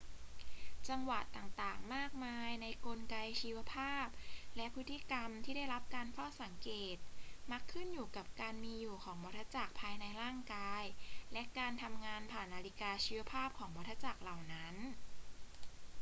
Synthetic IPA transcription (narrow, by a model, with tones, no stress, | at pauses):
t͡ɕa˧mwa˨˩t̪ːaː˨˩ŋt̪aː˨˩ŋmaː˥˩k̚maː˧jna˧jko˧nka˧jt͡ɕʰiː˧wa˧pʰaː˥˩p̚lɛ˦˥pʰɯ˦˥t̪ʰːi˧˥ka˧mt̪ʰiː˥˩da˥˩jla˦˥p̚kaː˧nfa˥˩wsa˨˩˦ŋkeː˨˩t̪̚ma˦˥kʰːɯ˥˩njuː˨˩ka˨˩p̚kaː˧nmiː˧juː˨˩kʰɔː˩˦ŋbɔ˧˦˥t̪ʰːa˧˥t͡ɕa˨˩k̚pʰaː˧jna˧jɾaː˥˩ŋkaː˧jlɛ˦˥kaː˧nt̪ʰa˧mŋaː˧npʰaː˨˩nʔaː˧li˦˥kaː˧t͡ɕʰiː˧wa˧˥pʰaː˥˩p̚kʰɔː˩˦ŋbɔ˦˥t̪ʰːa˧˩t͡ɕa˨˩k̚la˨˩wna˦˥n